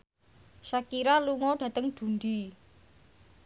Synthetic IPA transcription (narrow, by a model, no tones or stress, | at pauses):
ʃakiɾaluŋɔɖ̥ä̤t̪əŋd̪̥ṳnd̪i